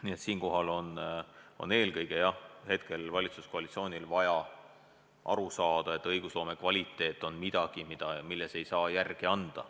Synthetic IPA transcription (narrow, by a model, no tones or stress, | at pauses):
niet̪siːnko̞ɦɑlo̞no̞̰ne̞ːlkɤjɡe̞jɑhe̞t̪̚ke̞lvɑlʲit̪susko̞ɑlit̪sio̞ːnʲilvɑjɑ | ʔɑ̰ɾusɑːd̪̥ɑe̞t̪ːˑɤjɡ̥uslo̞ːme̞kvɑlʲit̪ːe̞ːt̪ːˑo̞nmid̪̥ɑɡ̥imid̪̥ɑmilːese̞jsɑːjærɡ̥iɑnd̪̥ɑ̰